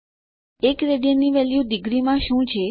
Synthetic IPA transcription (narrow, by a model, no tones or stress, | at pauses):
ekɾeɖijəniʋɛljuɖɪɡɾimãʃũt͡ʃʰe